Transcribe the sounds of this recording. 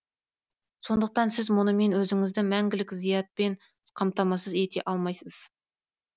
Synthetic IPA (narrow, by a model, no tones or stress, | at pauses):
so̞nd̪əq̚t̪ɑnsɪzmʊnəme̞nwɵzɪŋɪzd̪ɪmæŋɡʲɪlɪkʲzijɑt̪̚pe̞n | qʰɑmt̪ɑmɑsəze̞t̪e̞̰ʔɑlˠmɑjsəz̥